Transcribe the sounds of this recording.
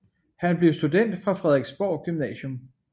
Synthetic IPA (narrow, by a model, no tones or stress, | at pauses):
hænb̥le̝ʊsd̥ud̥en̰d̥fʁɑ̈fʁɛð̞ˠʁeɡ̥sb̥ɒ̰ːɡ̥ymnɛ̰ːɕjɔm